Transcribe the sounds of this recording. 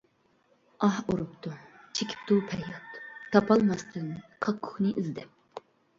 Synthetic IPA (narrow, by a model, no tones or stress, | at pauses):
ɑhuɾupt̪ʰu | t͡ʃʰekʲʰi̥p̚t̪ʰupʰɛjɑt̪t̪ʰːɑpʰɑlˠmɑst̪ʰɨnkʰɑkʰːʊ̥χnɨʔizd̪ɛp̚